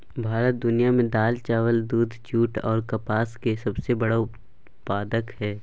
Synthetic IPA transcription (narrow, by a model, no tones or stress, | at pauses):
bʱaːɾət̪̚d̪ʊnijamẽd̪aːlt͡ʃaːʋəld̪uːd̪ʱt͡ʃuːʈɔ̰ːɾkɐpaːskesɐbsebɐɽaʊp | paːd̪əkhɛː